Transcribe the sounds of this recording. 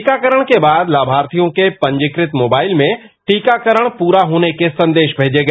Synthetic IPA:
kakɐɾəɽ̃kʰebaːd̪laːbʱaːɾt̪ijõkʰepɐ̃ɲd͡ʑɪkɾɪt̪moːbaːɪlmẽ | ʈiːkakɐɾəɽ̃puːɾaɦuːnekʰesɐ̃nd̪eːʃbʱeːd͡ʑeɡɐ

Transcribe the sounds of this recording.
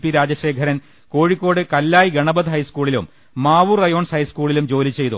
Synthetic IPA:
pːiɾaːd͡ʑɐɕeːɡʰʱɐɾɐn | ko̞ːɻikʲːo̞ːɽɨkɐlːaːjɡɐɳɐbɐðɦɐjskuːɭilṵmː | aːʋurɐjo̞ːɳshɐjskuːɭilumd͡ʑo̞ːlit͡ɕːe̞jt̪ṵ

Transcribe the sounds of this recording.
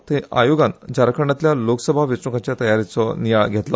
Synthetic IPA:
t̪ẽʔa̰joɡãnd͡ʑaɾkʰɾəɳat̪ljaloksəbʱaʋit͡sukat͡ɕjat̪əjaɾit͡sɔnijaɭɡʱet̪la

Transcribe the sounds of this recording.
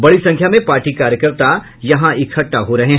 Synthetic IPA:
bɐɽisɐ̃ŋkʰjamẽpaːɾʈikaːɾjəkəɾt̪a | jɐɦãʔɪkʰɐʈːaɦoɾɐɦẽ

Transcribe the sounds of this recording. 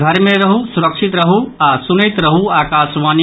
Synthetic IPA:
ɡʱɐɾmẽɾɐɦusuɾɐkʃit̪ɾɐɦuasunəjt̪ɾɐɦuaːkaːʃʋaːn

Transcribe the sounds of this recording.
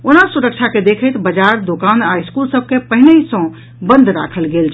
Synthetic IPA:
onasuɾək̚t͡ʃʰaked̪ekʰət̪bəd͡ʒaɾd̪okanaiskulsəb̚kepəɦineisə̃ | bə̃nd̪ʱɾa̰kʰəlɡelt͡ʃʰ

